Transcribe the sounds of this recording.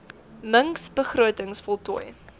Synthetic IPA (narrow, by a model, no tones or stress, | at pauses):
məŋksbəχruətəŋsfɔlˠtuj